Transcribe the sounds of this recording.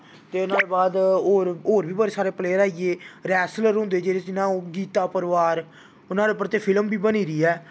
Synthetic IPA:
t̪eːʊnãːleːbaːd̪oːɾoːɾbiːbəɾeːsaːɾeːpleːɾaːiːeːɾɛːsləɾɦʊ̃nd̪eːd͡ʒeːɾeːd͡ʒɪnãːɡiːt̪aːpəɾʋaːɾ | ʊnãːlep̬əɾt̪eːpʰɪlmbiːbəniːɾiːɛː

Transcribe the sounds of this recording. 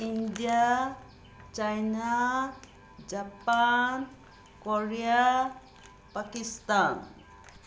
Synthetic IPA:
indija | t͡ʃajna | d͡ʒapan | koɹija | pakist̪an

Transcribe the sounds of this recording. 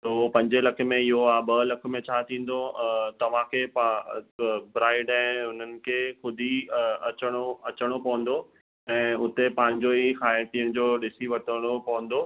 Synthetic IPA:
t̪ɐɦopɐ̃ɲd͡ʑelɐkʰə̆mẽɪɦoaːbɐlɐkʰə̆mẽt͡ɕʰaːt̪ʰĩːn̆d̪ot̪ɐʋ̤ãkʰeːpa | bɾaːɪɖɛ̃ːʊn̤ənɪ̆kʰeːxʊd̪ʱiɐt͡ɕəɽ̃oɐt͡ɕəɽ̃opɐʋə̃n̆d̪o | ɛ̃ːʊt̪epãːɦɪ̃ɲd͡ʑoikaːəʈiəɽ̃ɪ̃̆d͡ʑoːɗɪsiʋɐt̪əɽ̃opɐʋə̃nd̪oː

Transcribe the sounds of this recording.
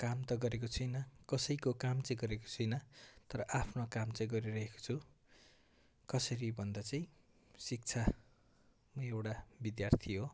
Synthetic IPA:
kamt̪ʌɡʌɾekot͡sʰʌjnʌkʌsʌjkokamt͡saĩɡʌɾeko̥t͡sʰʌjnʌt̪ʌɾʌʔapʰnokamt͡saĩɡʌɾiɾʌɦeko̥t͡sʰu | kʌsʌɾibʱʌnd̪at͡saĩ | sik̚t͡sʰa | mʌewʈabid̪jart̪ʰiɦo

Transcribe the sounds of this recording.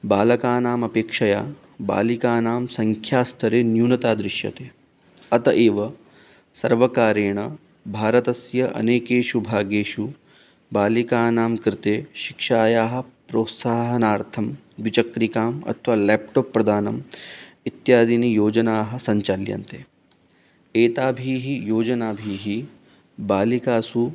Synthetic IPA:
baːlɐkaːnaːmɐpeːkʂɐjaː | ba̰ːlikaːnaːmsɐŋkʰjaːst̪ʰɐɾeːnjuːnɐt̪aːd̪ɾɪʃjɐ̰t̪eː | ɐt̪ɐʔeːʋɐ | sɐɾʋɐkaːɾeːɳɐ | bʱaːɾɐt̪ɐsjɐʔɐ̰neːkeːʃubʱaːɡeːʃu | baːlikaːnaːmkɾɪt̪eːʃi̥kʃaːjaːɦɐ̆pɾoːt̪saːɦɐnaːɾt̪ʰɐm | d̪ʋit͡ʃɐkɾikaːmɐ̰t̪ʰʋaːlɛːp̚ʈoːpːɾɐd̪ʱaːnɐmit̪jaːd̪inijoːd͡ʒɐnaːɦɐ̆sɐɲt͡ʃaljɐ̰nt̪eː | eːt̪aːbʱiːɦijoːd͡ʒɐnaːbʱiːɦi | baːlikaːsu

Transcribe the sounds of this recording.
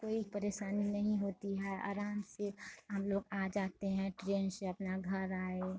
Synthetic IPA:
koːipəɾeːʃaːninɐɦĩɦoːt̪iɦɛɐ̰ːɾãːnseɦɐmloːɡaːd͡ʒaːt̪eɦɛ̃ʈɾẽːnseɐpnaɡʱɐɾaːe

